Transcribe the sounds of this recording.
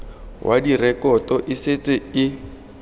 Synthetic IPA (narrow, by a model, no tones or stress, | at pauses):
wʔa̰dirɛkɔtɔʔɪset͡sʼɪɪ